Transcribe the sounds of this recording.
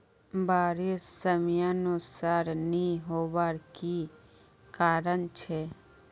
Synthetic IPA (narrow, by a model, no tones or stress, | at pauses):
baːɾesəmjanusaɾnĩɦoːʋaːɾki | kaːɾənt͡ʃʰe